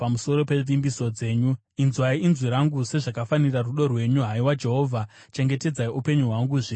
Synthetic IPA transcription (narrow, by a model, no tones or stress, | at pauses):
pamuso̞ɾo̞pe̞ʐʋimbiso̞d͡ze̞ːɲu | inzwaiinzwiɾaŋɡuse̞ʐakafaniraruɗo̞rwe̞ɲuɦaiwad͡ʒe̞ɦo̞vʱa | t͡ʃe̞ŋɡe̞te̞d͡zaiupe̞ɲuɦwaŋɡuʐi